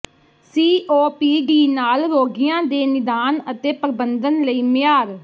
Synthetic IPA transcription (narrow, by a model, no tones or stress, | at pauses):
siːʔoːpiːɡiːnaːlɾoːɡɪjãːd̪eːnɪd̪aːnət̪eːpɾbənd̪ənləiːmɪjaːɾ